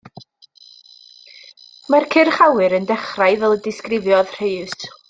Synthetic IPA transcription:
markʰɪrχawɨɾəndɛχrajvɛlˠədɪskrɪvjɔðr̥ejs

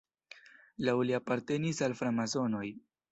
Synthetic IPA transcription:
lawliapaɾte̞nisalfɾamazo̞no̞j

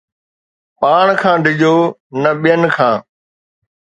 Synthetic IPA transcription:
paːɳ̃kʰãːɖʱɪʄoːnəɓijənkʰãː

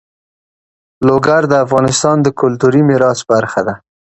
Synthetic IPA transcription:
loɡaɾd̪əafɣɑnɪst̪ɑnd̪əkʊlt̪uɾimɪɾɑsbaɾxad̪a

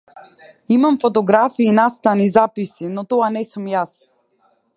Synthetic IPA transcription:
imamfɔt̪ɔɡɾafiːnast̪anizapisinɔt̪ɔanɛsumjas

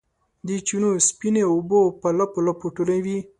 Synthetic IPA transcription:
d̪et͡ʃinospineubopalapolapoʈolawi

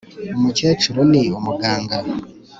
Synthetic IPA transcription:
omuceːt͡ʃuɾoniomuɡaːŋɡa

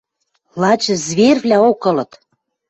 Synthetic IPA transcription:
lɑt͡ɕə̆zβervlʲæokɤ̆lɤ̆t̪

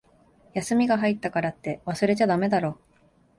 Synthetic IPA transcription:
jasɨmʲiɡaɦait̪ːakaɾat̪ːe̞βasɨɾe̞t͡ɕad̪ame̞d̪aɾo̞ː

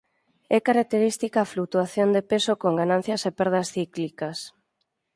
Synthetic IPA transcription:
ɛkaɾak̚t̪eɾist̪ikaːflut̪uaθjond̪epesokoŋɡanãn̟θjɐsepɛɾð̞ɐsθiklikas

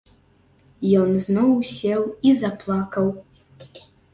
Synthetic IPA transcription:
jɔnznowsʲewizɐpʰlˠaːkʰɐw

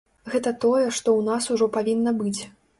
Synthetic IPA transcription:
ɣɛt̪ɐt̪ɔjɛʂt̪ɔwnasuʐɔpavʲinːɐbɨt͡sʲ

